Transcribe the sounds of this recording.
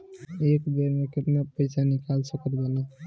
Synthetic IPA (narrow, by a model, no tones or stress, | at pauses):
ekbeɾmeketmepəjsʰanikalsəkəɾɡela